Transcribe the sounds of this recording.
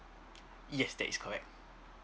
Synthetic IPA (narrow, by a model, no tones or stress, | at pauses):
jɛsdɛ̰ʔiskʰɔɹɛk̚t̚